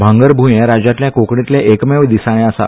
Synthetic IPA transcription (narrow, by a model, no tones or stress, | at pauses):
bʱãŋɡəɾbʱujẽɾad͡ʑãt̪ljãkokɳit̪leʔekmeʋd̪isaɽ̃ẽasa̰